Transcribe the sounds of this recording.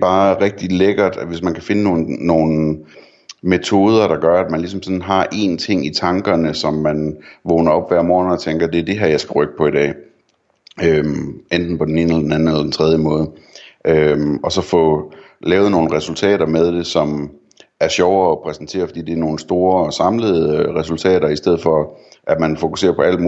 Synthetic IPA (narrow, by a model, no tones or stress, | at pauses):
b̥ɑ̈ːʁɛɡ̥̚d̥ileɡ̥ɐd̥æʋe̝smænkʰæfe̝nəno̝ːnːo̝ːn̩ | me̝t͡sʰo̝ːð̞ˠɐɾ̥ɑ̈ɡ̥ɶɐæd̥mænlisɒ̽msɒ̽nɦɑ̈ʔe̝̰nt͡sʰe̝ŋ̰it͡sʰɑ̈ŋɡ̥ɐnəsɒ̽mːænʋɔːnɐɒ̽b̥ʋæɐ̰mɒːnɒt͡sʰeŋɡ̥ɐd̥e̝æɐd̥e̝ɦæɐ̰jɑ̈ɪsɡ̥æʁœɡ̥ə̥pʰɒ̽id̥ɛ̰ː | ømend̥n̩pɒ̽d̥ene̝ːnəelɐd̥enæn̩elɐden̩t͡sʰʁɛð̞ˠjəmɔ̽ːð̞̩ˠʔømɒ̽sɒ̽fɔ̽ | lɛːʊð̩ˠno̝ːn̩ʁɛsult͡sʰɛ̰ːɾɐmeð̞ˠd̥e̝sɒ̽m | æɐɕjɒʊɐːpʰʁɛsn̩t͡sʰe̝̰ːɐfɒ̽d̥ḭːd̥e̝æɐno̝ːn̩sd̥o̝ːɐɒ̽sɑ̈mləð̩ˠʁɛsult͡sʰɛ̰ːɾɐisd̥eð̞̰̩ˠfɒ̽ʔæd̥mænfo̝kuse̝̰ːɐpʰɒ̽æl̰mː